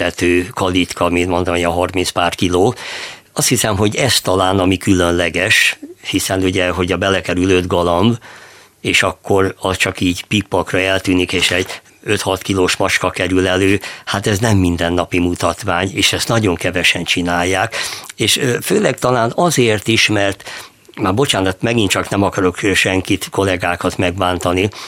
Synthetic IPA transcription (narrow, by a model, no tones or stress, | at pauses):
ɛt̪øːkɒlit̪kʰɒminmont̪omjɒɦɒrminspaːrkiloː | ɒst̪hisɛmɦo̞ɟɛst̪ɒlaːnɒmikylønlɛɡɛʃhisɛnuɟɛɦo̞ɟɒbɛlɛkɛɾylø̞d̪ɡɒlɒmb | eːʃɒkːo̞rɒst͡ʃɒkiːɟpikpɒkrɒɛlt̪yːnikeːʃɛɟ | ø̞t̪hɒt̪kiloːʃmɒt͡ʃkɒkɛɾylɛløːhat̪ɛznɛmːind̪ɛnːɒpimut̪ɒt̪ʋaːɲeːʃɛst̪nɒɟo̞ŋkɛvɛʃɛnt͡ʃinaːjːaːkeːʃføːlɛk̚t̪ɒlaːnɒzeːrt̪iʃmɛrt̪ | maːbo̞t͡ʃaːnɔt̪mɛɡint̪t͡ʃɒknɛmɒkɒɾo̞kʃɛŋkit̪ko̞lɛɡaːkɒt̪mɛɡbaːnt̪ɒni